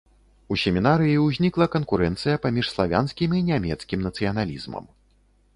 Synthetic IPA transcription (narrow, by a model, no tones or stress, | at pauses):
usʲɛmʲinaɾɨjiwzʲnʲiklˠɐkɐnkuɾɛnt̪sɨjɐpamʲiʂslˠavʲa̰nskʲiminʲamʲɛt̪skʲimnɐt̪sɨjɐnalʲḭzmɐ̰m